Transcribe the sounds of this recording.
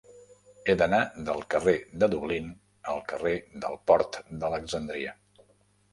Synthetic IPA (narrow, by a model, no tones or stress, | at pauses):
ed̪ənad̪əlˠkəred̪əðuβlin | əlˠkəred̪ə̰lˠpɔɾt̪d̪ələɡzənd̪ɾiə